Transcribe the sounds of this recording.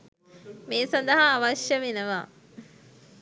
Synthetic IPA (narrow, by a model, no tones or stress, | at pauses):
meːsɐnd̪ɐɦaːʋaʃjəʋenəʋa̰ː